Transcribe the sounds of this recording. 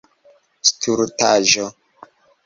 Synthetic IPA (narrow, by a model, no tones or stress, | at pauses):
stʰuɾtaʒo